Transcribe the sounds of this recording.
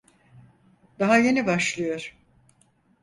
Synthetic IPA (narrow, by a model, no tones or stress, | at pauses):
d̪aɦaje̞nibaʃlˠɯjo̞ɾ̥